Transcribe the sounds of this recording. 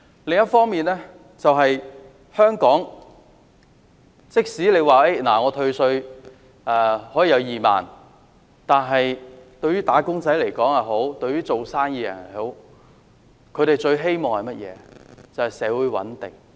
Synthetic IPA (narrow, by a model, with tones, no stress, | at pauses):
lɪ˨ŋjɐ˥t̚fɔː˥ŋmiː˨nlɛː˥ | t͡sɐ˨wɦɐ˨j | hœː˥ŋkɔː˨˥ŋ | t͡sɪ˥k̚siː˨˥le˨˧jwaː˨˩e˥naː˨˩ŋɔː˨˧t̪ʰɵ˧ɥsɵ˧ɥ | ɛː˨˧hɔ˨˥jiː˨˧jɐ˨˧wjiː˨˩ma̰ː˨˩n | t̪aː˨˩nɦɐ˨jt̪ɵ˧ɥyː˥t̪aː˨˥kʊ˥ŋt͡sɐ˨˥jle˨˩jkɔː˨˥ŋhɐ˨˩ɦo˨˥wt̪ɵ˧ɥyː˥t͡so˨wsaː˥ŋjiː˧jɐ̰˨˩nɐ˨˩ho˨˥w | kʰɵ˧ɥɾe˨jt͡ʃɵ˧ɥɦe˥jmɔː˨ŋhɐ˨jmɐ˥t̚jɛ̰ː˨˧t͡sɐ˨˩whɐ˨jsɛː˨˥wuː˨˧˥jwɐ̰˨˥nt̪ɪ˨ŋ